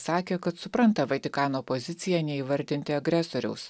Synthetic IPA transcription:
sɑːkʲeːkɐt̪sʊpɾɐnt̪ɐʋɐt̪ʲɪkɑːnoːpozʲɪt̪sʲɪjɛnʲɛiːʋɐɾʲd̪ʲɪnʲt̪ʲɪɐɡɾʲɛsoːɾʲɛ̰ʊs

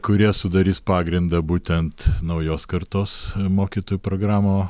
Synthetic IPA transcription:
kʊɾʲiɛsʊd̪ɐɾʲiːspɑːɡɾʲɪnd̪ɐbuːt̪ʲɛnt̪nɐʊjoːskɐɾt̪oːsmoːkʲiːt̪oːjupɾoːɡɾɑːmoː

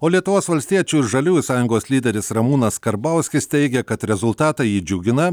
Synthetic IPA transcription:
oːlʲiɛt̪ʊʋoːsʋɐlʲsʲt̪ʲiɛt͡ʃʲuːɪɾʒɐlʲuːjʊsɑːjʊŋɡoːsʲlʲiːd̪ʲɛɾʲɪsɾɐmuːnɐskɐɾbɐʊsʲkʲɪst̪ʲɛɪɡʲɛkɐt̪ɾʲɛzʊlˠt̪ɑːt̪ɑjiːd͡ʒʲʊɡʲɪnɐ

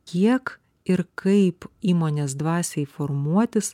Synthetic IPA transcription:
kʲiɛk | ɪɾkɐɪpiːmoːnʲeːs̬d̪ʋɑːsʲɛɪfoɾmuɔt̪ʲɪs

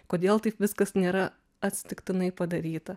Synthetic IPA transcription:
koːd̪ʲeːlˠt̪ɐɪpʋʲɪskɐsnʲeːɾɐ | ɐt̪ʲsʲɪ̥t̪ʲɪkt̪ʲɪnɐɪpɐd̪ɐɾʲiːt̪ɐ

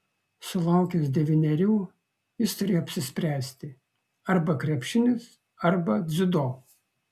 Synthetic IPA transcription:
sʊlˠɐʊkʲʊsd̪ʲɛʋʲɪnʲɛɾʲuː | jɪst̪ʊɾʲeːjoɐpʲsʲɪsʲpʲɾʲæːsʲt̪ʲɪ | ɐɾbɐkɾʲɛpʲʃʲɪnʲɪs | ɐɾbɐd̪zʲɪd̪oː

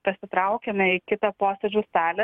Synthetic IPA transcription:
pɐsʲɪt̪ɾɐʊkʲɛmʲɛɪkʲɪt̪ɐpoːsʲɛd͡ʒʲuːst̪ɑːlʲɛ

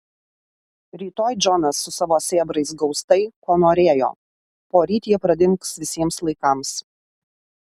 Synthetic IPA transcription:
ɾʲiːt̪oːjd͡ʒʲɔnɐsːʊsɑʋoːsʲeːbɾɐɪsɡɒʊst̪ɐɪkoːnoːɾʲeːjo̰ː | poːɾʲiːt̪ʲiːɛpɾɐd̪ʲɪŋˑksʋʲɪsʲiɛmslˠɐɪkɐms

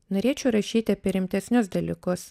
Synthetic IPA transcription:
noːɾʲeːt͡ʃʲɛʊɾɐʃʲiːt̪ʲɪɐpʲiɛɾʲɪmʲt̪ʲɛsʲnʲʊsd̪ɐlʲɪkos

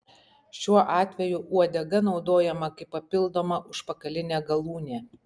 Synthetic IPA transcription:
ʃʲuɔʔɑːt̪ʲʋʲɛjʊʔuɔd̪ʲɛɡɐnɒʊd̪oːjɛmɐkɐɪpːɐpʲɪlˠd̪oːmɐʔʊʃpɐkɐlʲɪnʲeːɡɐlˠuːnʲeː

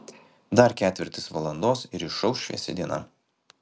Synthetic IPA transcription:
d̪ɐɾkʲæːt̪ʲɪɾʲt̪ʲɪsʋɐlˠɐnd̪oːsɪɾɪʃːɐlˠʃʲḭɛsʲɛ̰d̪ʲiɛnɐ̰

